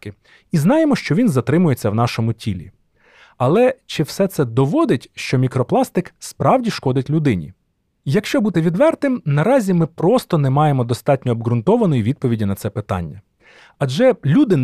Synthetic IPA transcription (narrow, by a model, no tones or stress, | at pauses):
kɪ | iznɑjemɔʃt͡ʃɔʋʲinzɐt̪ɾɪmʊjet͡sʲːɐwnɑʃɔmʊtʲilʲḭ | ɐlˠɛt͡ʃɪwsɛt̪sɛd̪ɔʋɔd̪ɪtʲʃt͡ʃɔmʲikɾɔplˠɑst̪ɪkspɾɑwdʲiʃkɔd̪ɪtʲlʲʊd̪ɪnʲḭ | jɐkʃt͡ʃɔbut̪ɪʋʲid̪ʋɛrt̪ɪmnɐɾɑzʲimɪpɾɔst̪ɔnɛmɑjemɔd̪ɔst̪ɑt̚ʲnʲɔːbɡɾʊnt̪ɔʋɐnɔjiʋʲid̪̚pɔʋʲidʲinɐt̪sɛpɪt̪ɑ̰nʲːɐ | ɐd͡ʒɛlʲud̪ɪn